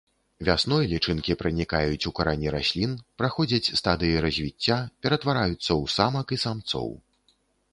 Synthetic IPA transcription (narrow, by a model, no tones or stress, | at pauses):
vʲasnɔjlʲit͡ʂɨnkʲipɾɨnʲikajut͡sʲukaɾanʲiɾasʲlʲinpɾaxɔd͡zʲɐt͡sʲst̪ad̪ɨjiɾɐzʲvʲit͡sʲːapʲɛɾɐt̪vaɾajut̪sːɐwsamɐkisamt̪sɔ̰w